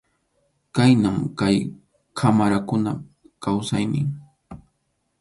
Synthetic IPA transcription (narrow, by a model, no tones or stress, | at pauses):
kajnamkaj | kʰamaɾakʊna | kawsajnɪŋ